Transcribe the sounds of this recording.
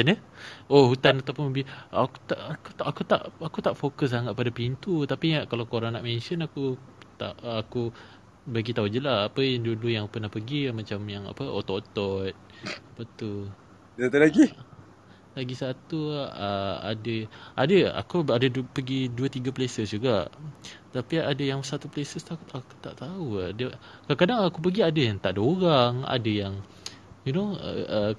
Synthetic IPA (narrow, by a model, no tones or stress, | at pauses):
anəohut̪anat̪awpʊnbiaku̥t̪aʔkuakut̪a̰ʔakut̪aʔfokəs̬aŋaʔ̪̚padapint̪ut̪apiakalakoɾaŋnaʔmɛnʃənakut̪a̰ʔːku | baɡit̪aud͡ʒəlaapəjaŋdulujaŋpərnahpəɡimãt͡ʃamjaŋa̰pəo̰t̪ɔʔt̪ɔt̪̚ | apət̪u | sat̪ulaɡi | laɡisat̪uəa̰dəʔadəa̰kuadəpəɡiduət̪iɡaplesəsd͡ʒuɡaʔt̪apiadəjaŋsat̪uplesəst̪akuaku̥t̪a̰ʔt̪auadəkakadaŋakup̬əɡiadəjaŋt̪aʔdaoɾaŋa̰dəjaŋ | junoə̰ə